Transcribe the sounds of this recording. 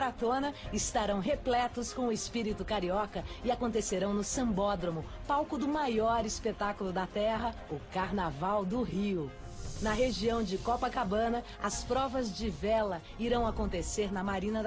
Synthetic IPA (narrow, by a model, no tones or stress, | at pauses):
ɾat̪õnɐɪst̪aɾɐ̃w̃ɦeplɛt̪ʊskõw̃ʊɪspiɾit̪ʊkaɾiɔkɐɪakõnt̪eseɾɐ̃w̃nʊsɐ̃mbɔd̪ɾomʊ | pawkʊd̪ʊmajɔɾɪspet̪akulʊd̪ɐt̪ɛɦɐ | ʊkaɾnavawd̪ʊɦiʊ | nɐɦeʒiɐ̃w̃d͡ʒɪkɔpɐkabɐ̃nɐ | ɐspɾɔvɐzd͡ʒɪvɛlɐ | iɾɐ̃w̃akõnt̪eseɾnɐmaɾĩnɐ